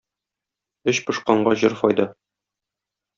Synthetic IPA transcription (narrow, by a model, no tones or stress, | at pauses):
ɵɕpɤ̆ʃqɑɴɢɑʑɤɾfɒjd̪ɤ